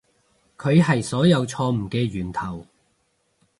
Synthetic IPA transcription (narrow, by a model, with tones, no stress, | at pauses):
kʰɵ˨˧ɥɦɐ˨jsɔː˨˥jɐ˨˧wt͡sʰɔː˧m̩˨˩kɛː˧ɥyː˨˩nt̪ʰɐ˨˩w